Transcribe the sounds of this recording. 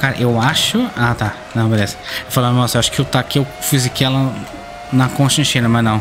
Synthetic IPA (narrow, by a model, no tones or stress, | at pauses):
kaɾɐ̰ʔewaʃʊat̪a | nɐ̃w̃meɾesɪ̥ewfalanɔsɐewaʃʊ̥kɪeowt̪akewfizɐkiɛlɐ | nɐkõʃt̪ɐ̃t͡ʃĩnɐmɐznɐ̃w̃